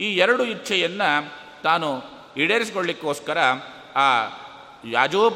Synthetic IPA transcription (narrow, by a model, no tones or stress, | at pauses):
iːɛɾɐɽuitːt͡ʃʰɐjɐnːɐ | t̪aːnu | iɽeːɾisikoɭlikːoːskɐɾɐ | aː | ja̰ːd͡ʒoːb